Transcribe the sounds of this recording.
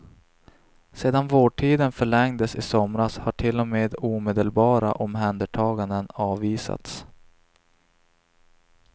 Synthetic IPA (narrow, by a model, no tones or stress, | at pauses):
seːd̪anvoːʈʰiːd̪ənfœɭɛŋd̪əsɪsɔmɾashaʈʰɪlːɔmeːd̪uːmeːd̪əlbɑːɾa̰ʔɔmɦɛnd̪əʈʰɑːɡand̪ənɑːviːsa̰t̪s